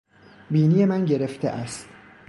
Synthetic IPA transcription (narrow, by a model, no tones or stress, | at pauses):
biːnije̞mænɟe̞ɾeft̪ʰḛʔæst̪